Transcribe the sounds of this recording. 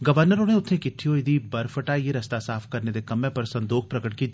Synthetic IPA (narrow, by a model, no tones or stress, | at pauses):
ɡɐʋəɾnəɾõnẽʊt̪ʰẽkɪʈʰːijõɪd̪ibɐɾfəʈajeɾɐst̪asaːfkɐɾned̪ekɐmẽpɐɾsɐ̃nd̪oːxʰpɾɐkəʈ̚ki